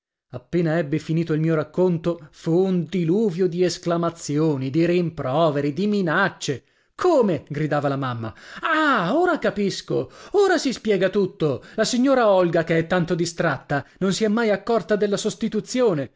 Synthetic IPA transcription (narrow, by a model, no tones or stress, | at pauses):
apːeːnaɛbːifiniːt̪oilmiːoɾakːont̪ofuːnd̪iluːvjod̪iesklamat̪sːjoːnid̪iɾimpɾɔːveɾid̪iminat͡ʃːe | kʰoːmeɡɾid̪aːvalamamːa̰aoːɾakapiskooːɾasispjɛːɡat̪ut̪ːolasiɲːoːɾaɔlɡakeɛt̪ːant̪od̪ist̪ɾat̪ːanonsiɛmːajakːɔrt̪ad̪elːasost̪it̪ut̪sːjoːne